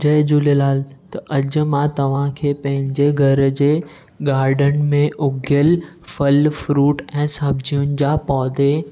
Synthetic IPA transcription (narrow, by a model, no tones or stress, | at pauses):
d͡ʑɐd͡ʑulelaːlt̪ɐʔɐd͡ʑ̆mãt̪ɐʋ̤ãkʰeːpɐ̃ɦɪ̃ɲd͡ʑeɡʱɐɾd͡ʑeː | ɡaːɾɖən̆mẽʔʊɡʱjəl | fɐlfɾuːʈɛ̃ːsɐbʱd͡ʑʱijʊnɪ̆d͡ʑaːpɔːd̪e